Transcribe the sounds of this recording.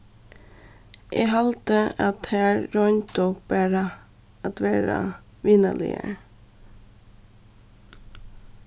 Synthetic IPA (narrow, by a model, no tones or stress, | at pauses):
ʔeːhɑlt̪əɑt̪hæɾɾɔnt̪ɔb̥æːɾə | ɑt̪ʋæːɾɑ̰ | ʋiːnəlɪ̰ə̰ɾ